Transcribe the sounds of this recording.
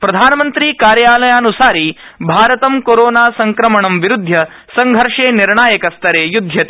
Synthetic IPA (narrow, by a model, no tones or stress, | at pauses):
pɾɐd̪ʱaːnɐmɐnt̪ɾiːkaːɾjaːlɐjaːnusaːɾi | bʱaːɾɐt̪ɐmkoɾoːnaːsɐŋkɾɐmɐɳɐmʋiɾud̪ʱːjɐ | sɐŋɡʱɐɾʂeːniɾɳaːjɐkɐst̪ɐɾeːjud̪ʱjɐt̪ː